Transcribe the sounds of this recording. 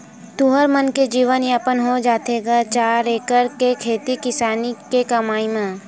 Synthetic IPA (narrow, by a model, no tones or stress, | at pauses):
t̪uɦəɾmənked͡ʒiːʋənjapənɦod͡ʒaːt̪eːɡat͡ʃaːɾeːkəɾkekʰeːt̪ikɪsaːnikekɐmaːimẽː